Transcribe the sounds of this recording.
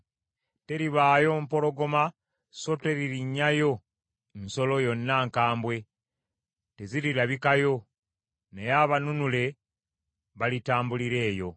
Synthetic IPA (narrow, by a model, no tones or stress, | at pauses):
te̞ɾiβaːjo̞mpo̞lo̞ɡo̞ma | sote̞ɾiɾiɲːajo̞ | nso̞lo̞jo̞nːaŋkaːmbwe̞ | te̞ziɾiɾaβikajo̞ | nejaβanunule̞ | βalitaːmbuliɾe̞ːjo̞